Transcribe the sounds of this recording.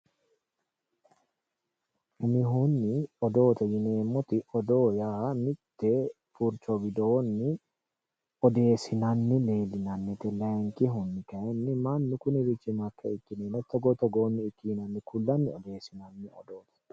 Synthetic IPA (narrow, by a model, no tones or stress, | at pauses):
nɪɦunːɪɔd̪o̞ːt̪ɐjɪneːmːɔt̪ɪɔd̪o̞ːjamɪt̪ːɛ | fʊɾt͡ʃɔɡɪd̪oːnːɪ | ɔd̪e̞ːsɪnɐnːɪleːlɪnɐnːɛt̪ɛlɐŋkɪɦʊnːɪkɐɛnːɪmanːɪkʊnɪzɪt͡ʃːɪmɐkʰːɛɪkːɪneːnɐt̪ːɔɡɔt̪ɔɡoːnːɪːkːɪnɐnːɪkʊlːɐnːɪɔd̪e̞ːsɪnɐnːɪɔ̰d̪o̞ːt̪ɐ̥